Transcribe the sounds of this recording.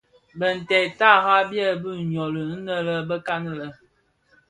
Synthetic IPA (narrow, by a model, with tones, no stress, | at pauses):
bə˨n̩˨tɛ˨ta˦˨ɣa˦bjɛ˦˨bə˦˨ɲɔ˨lə˨n̩˦nə˦lə˦bə˦ka˦nə˦˨lə˦